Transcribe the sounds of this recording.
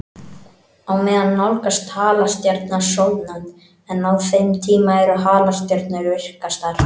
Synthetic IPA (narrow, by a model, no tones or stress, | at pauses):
awmɛːðanːawlkast̪haːlast̪jaɾt̪nasowt̪nan | ɛnːawfejmt̪ʰiːmaɛɾʏɦaːlast̪jaɾt̪nʏɾvɪr̥kast̪aɾ̥